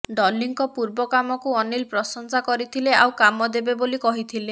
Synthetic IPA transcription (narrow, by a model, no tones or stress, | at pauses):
ɖɔlːiŋkɔpuɾbɔkamɔkuɔnilpɾɔsɔnsakɔɾit̪ʰilea̰wkamɔd̪ebebolikɔɦit̪ʰile